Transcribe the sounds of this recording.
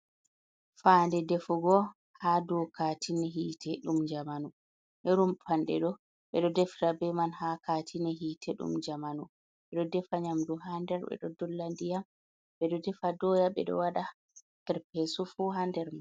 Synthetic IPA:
faːndɛdɛfuɡɔ | haːdɔkatʰinɛɦiːtʰɛɗumd͡ʒamanu | ʔɛɾumpʰanɗɛ̰ɗɔ | ɓɛɗɔdɛftabɛmanhakatʰinɛɦiːtʰɛɗṵmd͡ʒamanu | ɓɛɗɔdɛfaɲamduɦandɛɾɓɛ̰ɗɔdɔlːandijam | ɓɛɗɔdɛfadɔjaɓɛ̰ɗɔ̰waɗa | hɛɾpɛsufuɦandɛɾman

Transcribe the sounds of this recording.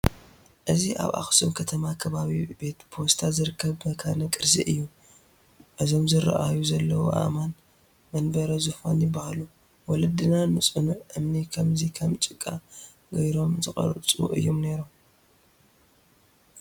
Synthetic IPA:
ʔɨziʔa̰βʔa̰xsumkʰɐt̪ʰɐmakʰɐβaβibe̞t̪pʰost̪ʰazɨɾɨkʰːɐβmɐkʰanɐkʼɨɾzḭʔɨjːu | ʔɨzo̞mzɨɾa̰ʔajuzɐlːɐwuʔa̰man | mɐnbɐɾɐzufanjɪbːahalu | wɔlɐd̪ɨnanɨsʼɨnuʔɨmnikʰɐmzikʰɐmt͡ʃʼɨkʼːa | ɡɐjɾo̞mzɨxʼɐ̰ɾɐt͡sʼṵʔɨ̰jːomne̞ɾum

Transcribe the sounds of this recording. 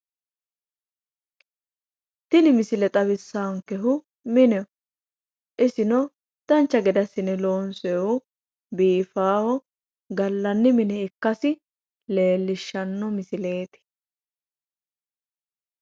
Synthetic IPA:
t̪ɪnɪmɪsɪlɛt̪ʼɐβɪsːaːŋkɛɦʊ | mɪnɛɔ | ʔɪsɪnɔ | d̪̥ɐnt͡ʃːɐɡɛd̪ɐsɪnɛloːnsɛɔ | biːfaːhɔ | ɡɐlːɐnːɪmɪnɛɪkːɐsɪ | le̞ːlːɪʃːɐnːɔmɪsɪle̞ːt̪ɪ̥

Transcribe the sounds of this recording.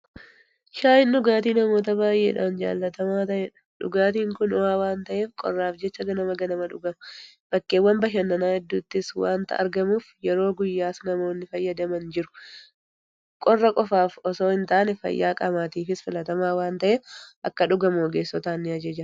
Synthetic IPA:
ʃaːɪnːʊɡaːt̪iːnɐmo̞ːt̪ɐbaːjʔḛːᶑa̰ːnd͡ʒa̰ːlːɐt̪ɐmaːt̪ɐʔɛᶑɐ̥ᶑʊ̰ɡaːt̪iːŋkʊnʊwaːwaːnt̪ɐʔe̞ːfkʼɔ̰rːaːfd͡ʒɛt͡ʃːɐɡɐnɐmɐɡɐnɐmɐᶑʊɡɐmɐ | b̥ɐkːeːwːɐmbɐʃ̬ɐnːɐnaːhɛd̪ːuːt̪ːɪswa̰ːnt̪ɐ̰ʔɐ̰ɾɡɐmuːfjɛɾo̞ːɡʊjːaːsnɐmo̞ːnːɪfɐjːɐd̪ɐmɐnd͡ʒɪɾʊ̥ | kʼɔrːɐkʼɔfaːfɔso̞ːɪnt̪aːnɛfɐ̰jːa̰ːkʼɐmaːt̪iːfɪsfɪlɐt̪ɐmaːwaːnt̪ɐʔeːʔɐ̰kːɐᶑʊɡɐmoːɡeːsːɔt̪aːnːɪɐd͡ʒed͡ʒɪɾɐ

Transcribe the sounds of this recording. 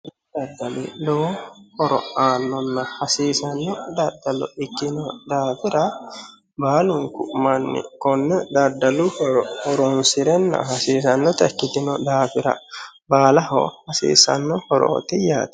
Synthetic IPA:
d̪ɐd̪ɐlḭloːhɔɾɔ̰aːnːɔnːɐhɐsiːsɐnːɔd̪ɐd̪ːɐlɔ̰ɪkːɪnɔd̪aːfɪɾɐ | baːlʊŋkʊʔmɐnːɪ̰kɔnːɐd̪ɐd̪ɐlʊhɔɾɔhɔɾɔnsɪɾɛnːɐ̰ɦɐsiːsɐnːɔt̪ɐkːɪt̪ɪnɔd̪aːfɪɾɐ̰baːlɐhɔ̰hɐsḭːsɐ̰nːɔhɔɾo̰ːt̪ɪja̰ːt̪ɐ̥

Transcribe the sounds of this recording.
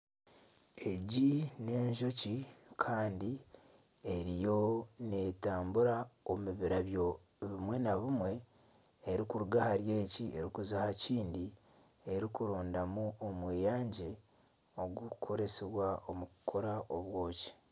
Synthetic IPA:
e̞ɟine̞ːɲʒo̞cikʰaːndi | eɾijo̞ne̞ːtaːmbuɾaomiβiɾaβjo̞ | βimwe̞naβumwe̞ː | ɾikuɾuɡahaɾje̞ːcie̞ɾikuzahaciːndi | e̞ɾikuɾoːndamuomweːjaːɲɟe | o̞ɡukʰo̞ɾe̞seβwaomukʰo̞ɾaʔoβwo̞ːci̥

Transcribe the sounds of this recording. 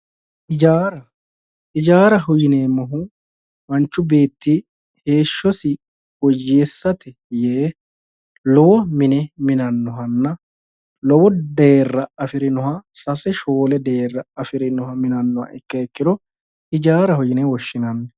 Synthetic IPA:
ʔɪd͡ʒaːɾɐ | ʔɪd͡ʒaːɾɐɦʊjɪneːmɔɦʊ | mɐnt͡ʃːʊbe̞ːt̪ːi | he̞ːʃːɔsɪ | wɔjːe̞ːsːɐt̪ɛ | jeː | lɔwɔmɪnɛmɪnɐnːɔɦɐnːɐ | lɔwɔd̪eːrːɐɐfɪɾɪnɔɦɐsɐsɛʃoːlɛd̪e̞ːrːɐɐfɪɾɪnɔhɐmɪnɐnːɔhɐ̰ʔɛkːɐɛkːɪd̪ɔ | ɪd͡ʒaːɾɐhʊjɪnewɔʃːɪnɐnːɛ

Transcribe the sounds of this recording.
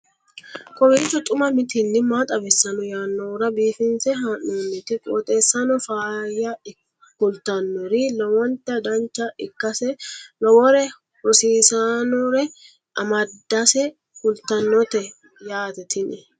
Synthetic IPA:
kʼɔbiːt͡ʃːɔt̪ʼʊmɐmɪt̪ɪnːɪmaːt̪ʼɐbɛsːɐnɔjaːnːɔːɾɐbiːfɪnsɛɦanːoːnːɛt̪ɪkʼot̪ʼeːsːɐnɔfaːjɐ | kʊlt̪ɐnːɔɾɪlɔwɔnt̪ːɐd̪ɐnt͡ʃːɐɪkːɐsɛlɔwɔɾɛ | hɔsiːsanɔɾɛ | ʔɐmɐdd̪ːɐsɛ | kʊlt̪ɐnːɔt̪ɛ | jaːt̪ɛt̪ʰɪnɪ

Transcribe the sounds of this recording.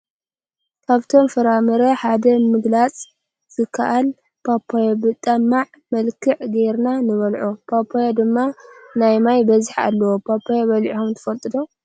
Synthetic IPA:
kʰaβt̪ʰo̞mfɐɾamɐɾɐħad̪ɐmɨɡlat͡sʼ | z̥ɨkʰːɐʔal | pʰapʰːajobɨt̪ʼɐmːaʕ | mɐlkʰɨʕɡeɾnanɨβɐlʕupʰapʰːajad̪ɨmːanajmajbɐzɨħa̰lːɐwopʰapʰːajaβɐlʕihomt̪ʰɨ̥fɐlt̪ʼɨd̪o

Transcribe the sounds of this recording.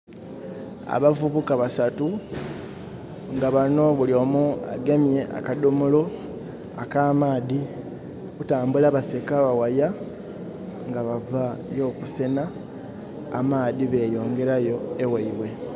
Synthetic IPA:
a̰βavuβukaβasatu | ŋɡaβano̞βulio̞ːmua̰ɡe̞mje̞ʔa̰kadomolo̞ | akaːmaːði | kutaːmbulaβase̞kaβawaja | ŋɡaβavajo̞ːkuse̞naː | maːðiβe̞ːjo̞ːŋɡe̞ɾajo̞ewaiβwe̞

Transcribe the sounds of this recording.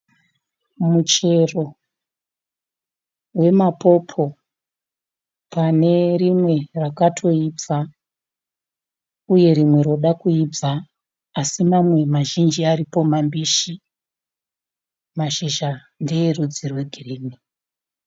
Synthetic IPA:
mut͡ʃe̞ro̞ | we̞mapo̞pʰo̞ | pane̞rimwe̞rakatʰo̞ib͡va | uje̞ɾimwe̞ɾo̞ɗakuib͡vaː | simamwe̞maʒind͡ʒiaɾipo̞mambiʃi | maʃiʒa | ndijerud͡zirwe̞ɡʱiriːni

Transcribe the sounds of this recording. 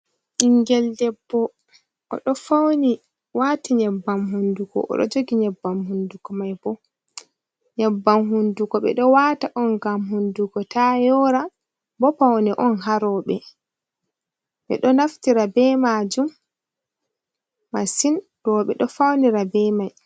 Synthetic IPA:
ʔiŋɡɛldɛbːɔ | ʔɔ̰ɗɔfawni | watiɲɛbːamhundukɔ̰ʔɔ̰ɗɔ̰d͡ʒoɡiɲɛbːamhundukɔmajbɔ | ɲɛbːamɦundukɔɓɛ̰ɗɔwataʔɔnɡamhunduɡɔtajɔɾa | bɔpawnɛʔɔnɦaɾɔɓɛ | ɓɛ̰ɗɔnaftiɾabɛmad͡ʒum | asin | d̥ɔɓɛɗɔfawniɾabɛmaj

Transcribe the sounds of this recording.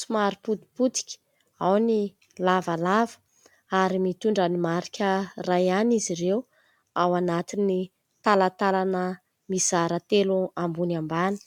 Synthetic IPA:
sumaɾiput̪i̥put̪i̥kʲi̥ | awni | lavalavə̥ | aɾimit̪uɳɖ͡ʐanimaɾikʲərajaniziɾew | awanat̪ini | t̪alat̪alanə | mizaɾət̪eluambunambani̥

